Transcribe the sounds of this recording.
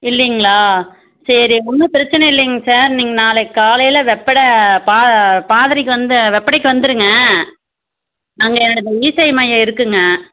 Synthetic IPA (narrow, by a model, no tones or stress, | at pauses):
ɪlːɐŋɡɐɭaː | sɐɾiʊmːɐpɪɾɐt͡ʃːɐnɐɪlːɐjŋɡɐsaːɾniːŋɡɐnaːlɐkːaːlɐjlɐʋɛpːɐɽɐpaːpaːðɐɾɪkːɯʋɐnd̪ɯʋɛpːɐɽɐɪkːɯʋɐnd̪ɯɾɯŋɡɐ | ɐŋɡɐɛnːɐɽɯt̪ːɐiːsɐɪmɐjɐɪɾɯkːɯŋɡɐ